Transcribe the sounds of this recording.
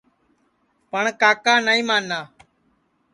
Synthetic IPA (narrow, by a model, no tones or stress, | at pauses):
pəɳkaːkaːnaːĩːmaːnːaː